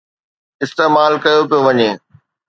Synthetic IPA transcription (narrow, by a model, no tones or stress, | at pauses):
ɪst̪eːmaːlkɐjopijoʋɐɲeː